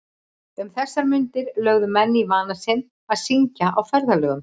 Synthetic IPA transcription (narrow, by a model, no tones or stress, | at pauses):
ʏmθɛsːaɾmʏnt̪ɪɾlœɣðʏmɛnːivaːnasɪn | aðsiɲcaʔawfɛɾðalœːɣʏm